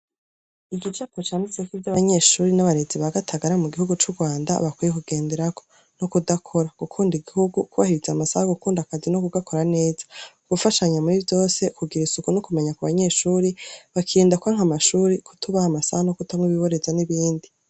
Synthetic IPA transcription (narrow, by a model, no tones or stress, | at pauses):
iɡit͡ʃakot͡ʃaːnit͡sekivjaβaɲe̞ʃuːɾinaβaɾe̞ziβaɡatʰaɡaɾamuɡihuɡut͡ʃuɡwaːnda̰βakwijekuɡ̥e̞ːnde̞ɾakʰo | nokudakʰo̞ɾakukʰuːndiɡihuɡukuβa̰hiɾizamasahaɡukuːndakazino̞kuɡakʰo̞ɾane̞ːzauβufaʃaɲamuɾivjo̞ːse̞kuɡiɾisukunokume̞ɲakuβaɲe̞ːʃuːɾiβakʰiːndakuaŋ̥hamaʃuːɾiku̥tuβahamasahano̞kutamŋiβiβo̞ɾe̞zaniβiːndi